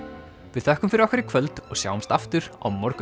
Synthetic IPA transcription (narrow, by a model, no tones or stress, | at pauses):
vɪðθɛhkʏmfɪɾɪɾɔhkɛɾɪkʰvœlt̪ɔɣsja̰ːwʏmst̪aft̪ʏɾa̰wmɔɾk